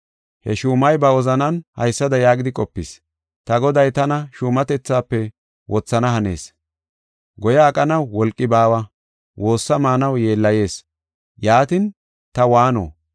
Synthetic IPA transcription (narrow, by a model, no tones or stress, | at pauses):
hɛ̰ʃuːmɐjbɐɔzɐnɐnhɐ̰jsːɐd̪ɐjaːɡɪd̪ɪkʼɔpːɪs | t̪ɐɡɔd̪ɐjt̪ɐnɐʃuːmɐt̪ɛt͡sːaːpːɛ | wʔɔt͡sːɐnɐhɐne̞̰ːs | ɡɔjaːkʼɐnɐwːɔlkʼːɪbaːwɐ | wʔo̞ːsːɐmaːnɐwje̞ːlːɐje̞ːs | jaːt̪ɪn | t̪ɐwaːno̰ː